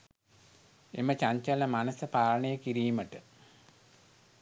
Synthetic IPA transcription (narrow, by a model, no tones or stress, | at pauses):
ḛmət͡ɕaɲt͡ʃaləmanəsəpaːləɳəjəkiɾiːməʈə